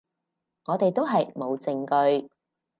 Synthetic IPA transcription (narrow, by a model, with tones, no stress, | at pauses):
ŋɔː˨˧t̪e˨jt̪o˥wɦɐ˨jmo˨˧wt͡sɪ˧ŋkɵ˧ɥ